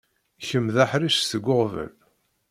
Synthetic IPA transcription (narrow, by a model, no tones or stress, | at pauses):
çəmðaħɾiʃθəɡʷːʊʁvə̰l